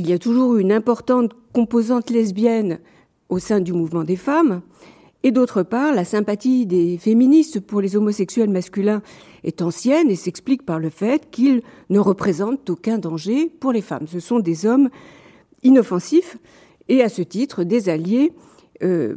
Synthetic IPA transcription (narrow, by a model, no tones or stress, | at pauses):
ilijat̪uʒuʁynɛ̃pɔʁt̪ɑ̃t̪kɔ̃pozɑ̃t̪lɛzbjɛn | osɛ̃d̪ymuvmɑ̃d̪efam | ed̪ot̪χəpaʁlasɛ̃pat̪id̪efeminist̪puʁlezomɔsɛksɥɛlmaskʲylɛ̃ | ɛ̰t̪ɑ̃sjɛnesɛksplik̚paʁləfɛt̪kil | nəʁəpχezɑ̃t̪okʲɛ̃d̪ɑ̃ʒepuʁlefa̰msəsɔ̃d̪ezɔm | inɔfɑ̃sif | easət̪it̪χəd̪ezalje | ø